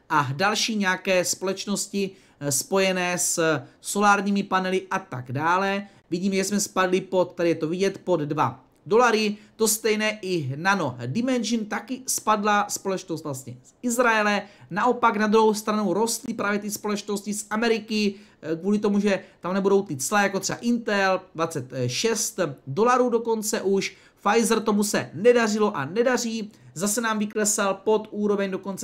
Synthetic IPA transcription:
ʔadalʃiːɲɛakɛːspo̞lɛt͡ʃno̞scɪ | spo̞jɛnɛːsso̞laːɾɲiːmɪpanɛlɪʔat̪a̰ɡdaːlɛ | vɪɟiːmɛʒɛsmɛspadlɪpo̞t̪ːɛdɪjɛt̪ovɪɟɛt̪po̞d̪dva̰ | do̞laɾɪt̪o̞st̪ɛjnɛːʔɪnano̞dɪmɛnʒɪnt̪akɪspadlaspo̞lɛt͡ʃnost̪vlast̪ɲɛsʔɪzɾajɛlɛnaʔo̞paknad̪ɾuɦo̞wst̪ɾanowɾo̞st̪lɪpɾaːvjɛt̪ɪspo̞lɛt͡ʃno̞scɪsamɛɾɪkɪ | kvuːlɪt̪o̞muʒɛt̪amnɛbudo̞wt̪ɪt͡slajakot̪r̥ɛba̰ʔɪnt̪ɛldvat͡sɛt̪ʃɛst̪do̞laɾuːdo̞ko̞nt͡sɛʔuʃ | fajzɾt̪o̞musɛ̰nɛdar̝ɪlo̞ʔanɛdar̝iːzasɛnaːmvɪklɛsalpo̞t̪ʔuːɾo̞vɛɲdo̞ko̞nt͡sɛ

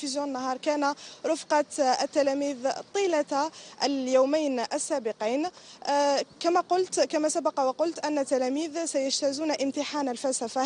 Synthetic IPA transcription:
fizjõnːaɦɑːɾˤkænaɾˤʊfqɑt̪ət̪ːælæmiːðt̪ˤiːlaljawmajnʔəsːabɪqijn | kæmaqʊlt̪kamasabɑqɑwqʊlt̪ʔænːat̪ːælæmiːðsajəʃt̪æzuːnaʔəmt̪ɪħaːnəlfælsafa

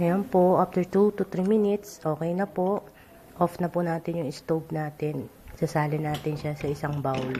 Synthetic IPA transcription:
ŋɐjonpoʔaf̚t̪ɛɹt̪ut̪ʊt̪ɾiminɪt̪sʔo̞ːkɛjnɐpoʔ | ʔofnɐpʊnaːt̪ɪnjʊŋɪst̪owb̚naːt̪ɪnsɐsaːlɪnaːt̪ɪnʃasɐʔɪsɐŋbawl

